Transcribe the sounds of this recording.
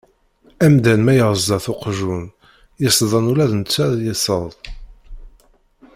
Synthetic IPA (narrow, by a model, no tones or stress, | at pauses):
æmd̪ænmæjəʁəzd̪ɑθʊqʒun | jəsðˤɑnulæðnt͡sːæðjəsəðˤ